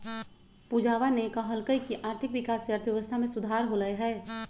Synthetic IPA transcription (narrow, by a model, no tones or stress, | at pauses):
pud͡ʒaːʋanekaɦəlkəikiʔaːɾt̪ʰɪkʋɪkaːsəɾt̪ʰjəʋəst̪ʰamẽsʊd̪ʱaːɾɦolaeɦɛː